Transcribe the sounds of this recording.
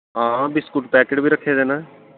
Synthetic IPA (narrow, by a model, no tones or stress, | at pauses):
ɦãːbɪskuʈpɛːkeːʈbʱiːɾəkʰːeːd̪eːnaː